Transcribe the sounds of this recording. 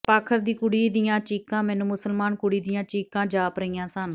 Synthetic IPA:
paːkʰəɾd̪iːkʊɽiːd̪ijãːt͡ʃiːkãːmɛːnũːmʊsəlmaːnkʊɽiːd̪ijãːt͡ʃiːkãːd͡ʒaːpɾəijãːsən

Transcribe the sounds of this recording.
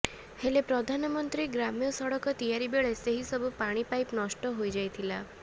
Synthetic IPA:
helepɾɔd̪ʱanɔmɔnt̪ɾiɡɾamijɔsɔɽɔkɔt̪ijaɾibeɭeseɦisɔbupaɽ̃ipajpnɔsʈɔɦojd͡ʒajt̪ʰila

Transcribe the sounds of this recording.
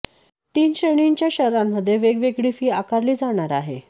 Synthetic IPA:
t̪iːnɕəɳ̃iɲt͡ɕjaɕəɾamːəd̪ʱːjeʋeɡʋeɡɭifiːakaɾliːd͡zaɽ̃aɾaɦe

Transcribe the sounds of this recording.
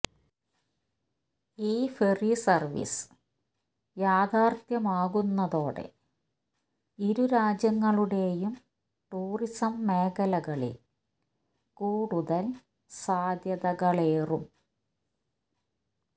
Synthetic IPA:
iːferisɐrʋḭs | jaːd̪ʱaːrt̪jɐmaːɣunːɐðo̞ːɽḛ | iɾuɾaːd͡ʑjɐŋːɐɭuɽe̞jum | ʈuːrisɐmːeːɣɐlɐɣɐɭḛ | kuːɽuðɐl | saːd̪jɐðɐɣɐɭeːrum

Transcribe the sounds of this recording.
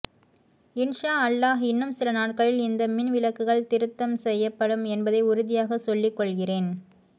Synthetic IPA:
ɪnʂaːɐlːaːɦɪnːɯmsɪlɐnaːʈ̚kɐɭɪlɪnd̪ɐmɪnʋɪlɐkːɯɣɐɭt̪ɪɾɯt̪ːɐmsɛjːɐpːɐɽɯmɛnbɐðɐɪʊɾɯðɪjaːɣɐsɔlːɪkːɔɭɣɪreːn

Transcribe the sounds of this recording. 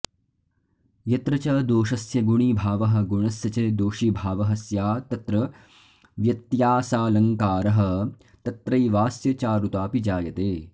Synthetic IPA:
jɐt̪ɾɐt͡ʃɐd̪oːʃɐsjɐɡuɳibʱaːʋɐɦɐ̆ɡuɳɐsjɐt͡ʃɐd̪oːʃibʱaːʋɐɦɐsjaːt̪ɐt̪ɾɐ | ʋjɐt̪jaːsaːlɐŋkaːɾɐɦɐ̆ | t̪ɐt̪ɾɐjʋaːsjɐt͡ʃaːɾut̪aːpid͡ʒaːjɐt̪eː

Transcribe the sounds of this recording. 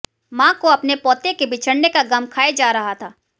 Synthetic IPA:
mãːkoɐpnepɔːt̪ekebɪt͡ʃʰəɽnekaɡɐmkʰaːed͡ʒaːɾɐɦat̪ʰaː

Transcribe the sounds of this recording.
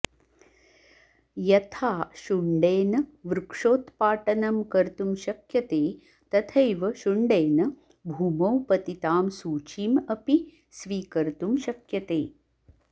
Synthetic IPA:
jɐt̪ʰaːʃuɳɖeːnɐʋɾukʂoːt̪paːʈɐnɐmkɐɾt̪umʃɐkjɐt̪eː | t̪ɐt̪ʰɐjʋɐʃuɳɖeːnɐ | bʱuːmɐwpɐt̪it̪aːmsuːt͡ʃiːmɐpi | sʋiːkɐɾt̪umʃɐkjɐt̪eː

